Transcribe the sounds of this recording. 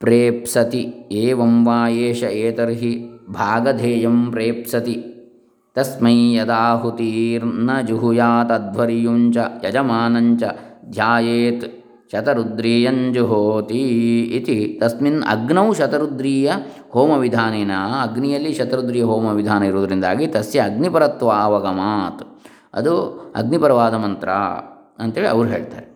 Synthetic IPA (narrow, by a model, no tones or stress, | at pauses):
pɾeːpsɐt̪ieːʋɐmʋaːjeːʃɐeːt̪ɐɾɦibʱaːɡɐd̪ʱeːjɐmpɾeːpsɐt̪i | t̪ɐsmɐjjɐd̪aːɦut̪iːɾnɐd͡ʒuɦujaːt̪ɐd̪ʋɐɾijuːɲt͡ʃɐjɐd͡ʒɐmaːnɐɲt͡ʃɐd̪ʱjaːjeːt̪ | ʃɐt̪ɐɾud̪ɾiːjɐɲd͡ʒuɦoːt̪iːt̪it̪ɐsminɐ̰ɡnɐwʃɐt̪ɐɾud̪ɾiːjɐ | hoːmɐʋid̪ʱaːneːnɐɐɡnijɐlːiʃɐt̪ɐɾud̪ɾiːjɐɦoːmɐʋid̪ʱaːnɐiɾuːd̪ɐɾind̪a̰ːɡit̪ɐsjɐːɡnipɐɾɐt̪ʋaːʋɐɡɐmaːt̪ | ɐ̰d̪uɐ̰ɡnipɐɾɐʋaːd̪ɐmɐnt̪ɾa̰ː | ɐnt̪eːɭiɐ̰ʋɐɾuɦeːɭt̪aːɾe